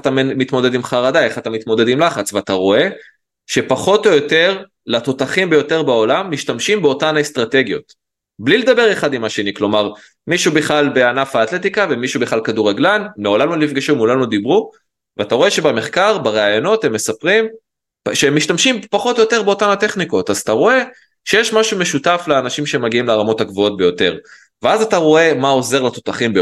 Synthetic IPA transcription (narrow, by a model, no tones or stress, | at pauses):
at̪ammit̪mo̞d̪e̞d̪imχaʁad̪ae̞χat̪amit̪mo̞d̪ed̪imlaχat͡sveat̪aʁo̞e̞ | ʃe̞paχo̞t̪ojo̞te̞ʁ | lat̪o̞t̪aχimbe̞jo̞te̞ʁbao̞lamːiʃtamʃimbeo̞tanaest̪ʁat̪e̞ɡjo̞̰t | bliled̪abe̞ʁeχad̪imaʃe̞niklo̞maʁ | miʃubiχlalbe̞anafaːt̪le̞t̪ikave̞miʃubeχlalkad̪uʁaɡlanmeolanulifɡiʃumulanud̪ibʁu | veat̪aʁo̞e̞ʃe̞bame̞χkaʁbaʁeajo̞no̞te̞mːe̞sapʁim | ʃeemːiʃtamʃimpaχo̞t̪ojote̞ʁbe̞otanateχniko̞t̪azat̪aʁo̞e̞ | ʃejeʃmaʃume̞ʃutafleaːnaʃimʃemaɡiimleʁamo̞thaɡvoo̞t̪̚be̞jo̞te̞ʁ | veazataʁo̞e̞mao̞ze̞ʁlat̪o̞t̪aχimbe